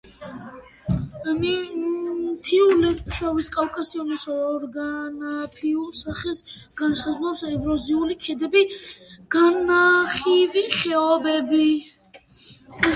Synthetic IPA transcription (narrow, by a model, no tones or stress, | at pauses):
mi | t̪ʰiulɛt̪mʃɔviskʼalkʼasiɔnisɔɾɡanapʰiulˠsaχɛs | ɡ̥ansazʁwlapsɛvɾɔziulikʰɛd̪ɛbiɡ̥annaχiviχɛɔbɛbi